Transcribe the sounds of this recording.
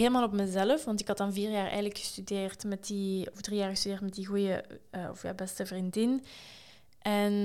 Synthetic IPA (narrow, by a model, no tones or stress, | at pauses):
ɦeləmaːlˠɔpməzɛləfʋɑntɪkɑtɑnviːrjaːrɛ̰jɣənləkxə̥stydeːrtmɛtdiɔvdrijaːɹɣəstydeːrtmɛt̚diɣujəəːɔ̰fja̰ːwbɛstəvrindɪn | ʔɛn